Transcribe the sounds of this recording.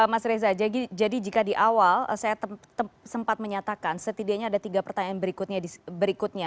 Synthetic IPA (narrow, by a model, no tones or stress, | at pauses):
əmasɾezad͡ʒaɡid͡ʒadid͡ʒikadiʔawalə̰sajaət̪əsəmpat̪̚məɲat̪akansət̪idiaɲaːdat̪iɡapərt̪aɲaanbəɾikut̪̚ɲadisbəɾikʊt̪̚ɲa